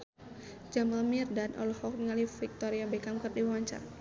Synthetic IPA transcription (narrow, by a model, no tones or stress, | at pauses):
d͡ʒamalmirdanʔɔ̰lhɔk̚məŋalifik̚t̪ɔɾiabɛkamkərdiwwaɲt͡ʃa̰r